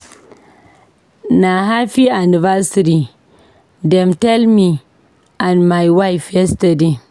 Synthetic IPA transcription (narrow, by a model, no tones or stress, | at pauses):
naɦaɸianivasiɾi | dɛmtɛlmi | ʔanmajwajfɛstade